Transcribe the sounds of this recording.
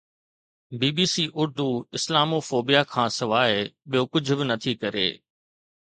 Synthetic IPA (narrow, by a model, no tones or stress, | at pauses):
biːbiːsiːʔʊɾd̪uɪslaːmoːfoːbijakʰãːsɪʋaːɪɓijokʊd͡ʑ̆ʱbɪnɐt̪ʰikɐɾḛː